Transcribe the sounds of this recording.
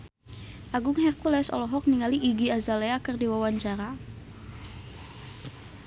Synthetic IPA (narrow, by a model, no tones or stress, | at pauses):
ʔaɡʊŋɦɛrkulɛsɔ̰lɔɦɔk̚niŋaliʔiɡiazaleakərdiwawaɲt͡ʃaɾa